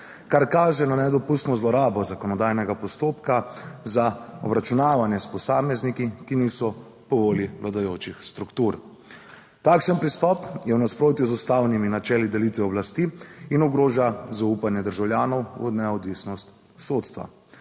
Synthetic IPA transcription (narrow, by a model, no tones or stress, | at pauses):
kaɾkaːʒɛnanɛd̪ɔpust̪nɔzlɔɾaːbɔzakɔnɔd̪ajnɛɡapɔst̪oːpkazaɔbɾat͡ʃunaːʋanjɛspɔsaːmɛznikikinisɔ | pɔʋoːliʋlad̪ajoːt͡ʃixst̪ɾukt̪uɾ | t̪akʃənpɾist̪ɔpjɛwnaspɾoːt̪juzust̪aːwniminat͡ʃɛːlid̪ɛlit̪ʋɛɔblast̪iinɔɡɾoːʒazauːpanjɛd̪əɾʒawljaːnɔwɔ̰d̪nɛɔd̪ʋiːsnɔst̪ | soːt̪st̪ʋa̰